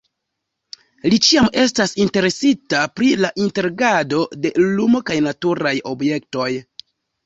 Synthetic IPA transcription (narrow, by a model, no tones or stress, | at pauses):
lit͡ʃiame̞s̬tasinte̞ɾe̞sitapɾilaʔinte̞ɾɡado̞de̞lumo̞kajnatuɾajo̞bje̞k̚to̞j